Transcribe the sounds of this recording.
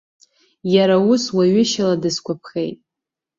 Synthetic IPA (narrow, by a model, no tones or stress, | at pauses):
jaɾauswaɥɪʃaladɨskʷapʰχejtʼ